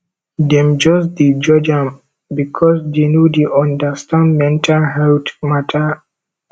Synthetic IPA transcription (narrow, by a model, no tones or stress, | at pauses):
dɛ̃md͡ʒɔsdid͡ʒɔd͡ʒãm | bikʰɔsdenjudiʔɔ̃ndastãnmɛ̃ntʰalɦɛltmatʰa